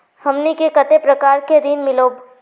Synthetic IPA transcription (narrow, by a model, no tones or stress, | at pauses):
hɐmnikekɐt̪epɾɐkaːɾkeɾiːnmɪloːb